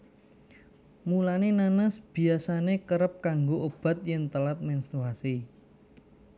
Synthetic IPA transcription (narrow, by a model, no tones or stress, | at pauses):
mulanenanəsb̥i̤asanekəɾəp̚kaŋɡoʔob̥a̤t̪̚jɛnt̪əlat̪̚mɛnst̪ɾuasi